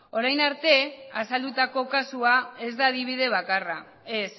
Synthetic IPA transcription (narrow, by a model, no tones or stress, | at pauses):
o̞ɾajnaɾt̪e̞asald̪ut̪ako̞kasuae̞zd̪aːðiβ̞ið̞e̞β̞akara | e̞s